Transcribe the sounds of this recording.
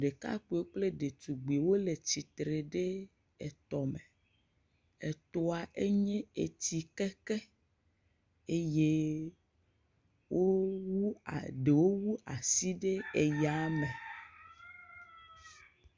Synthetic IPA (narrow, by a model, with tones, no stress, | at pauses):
ɖe˨ka̰˦k͡pu˨˦e˦k͡ple˦ɖe˨t̪u˨ɡ͡bi˨wo˦le˨t͡ɕi˨t̪ɾe˨ɖe˦ | e˨t̪ɔ˨me˨ | e˨t̪o˦a˨ʔe˦ɲɛ̃˦e˨t̪i˨kɛ˦kɛ˦ | e˦je˦ | wʔo˦wu˦a̰˨ɖe˨wo˦wu˦a˨si˦ɖe˦e˨ja˦me˨